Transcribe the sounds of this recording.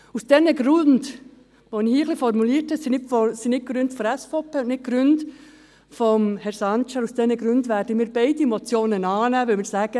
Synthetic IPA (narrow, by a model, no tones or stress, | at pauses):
usd̥ɛnəɡ̥ɾʊnd | ʋonɪhiːəχlifɔrmuliːɾtʰɛsinɪtfɔsinɪt̚ɡ̥ɾʏntfɔɾɛsfoːpʰeːʊntnɪt̚ɡ̥ɾʏnt | fɔmhɛɾsɑnt͡ʃəɾusd̥ɛnəɡɾʉndʋæːɾdəmiːɾbeɪdiɛmɔt͡sjoːnənɑːnæːʋɪlmɪːɾsæːɡ̥ə